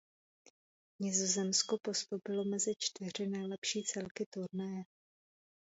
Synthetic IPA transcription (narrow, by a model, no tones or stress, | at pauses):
ɲɪzo̞zɛmsko̞po̞st̪owpɪlo̞mɛzɪt͡ʃt̪vɪr̝ɪnɛjlɛpʃiːt͡sɛlkɪt̪uɾnɛjɛ